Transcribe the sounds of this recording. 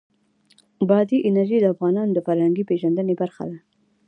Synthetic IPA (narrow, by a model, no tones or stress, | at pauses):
bɑd̪iʔɪnaɾʒid̪əafɣɑnɑnod̪əfaɾhaŋɡipeʒand̪ənebaɾxa̰d̪a